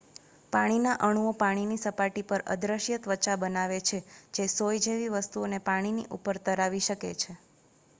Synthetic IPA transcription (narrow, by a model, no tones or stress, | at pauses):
paɽ̃inaʔəɽ̃uopaɽ̃inisəpaʈipəɾə̰d̪ɾəʃjət̪ʋət͡ʃabənaʋet͡ʃʰed͡ʒesojd͡ʒeʋiʋəst̪uonepaɽ̃inḭʔupəɾt̪əɾaʋiʃəket͡ʃʰe